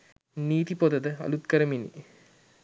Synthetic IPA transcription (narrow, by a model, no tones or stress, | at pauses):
niːt̪ipod̪ɐd̪əɐ̰lut̪̚kɐɾəminḭ